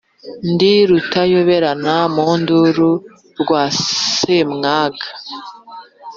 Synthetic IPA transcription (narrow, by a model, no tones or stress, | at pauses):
ndiɾutajoβeɾanamunduɾu | ɾɡwaːsemŋaːɡa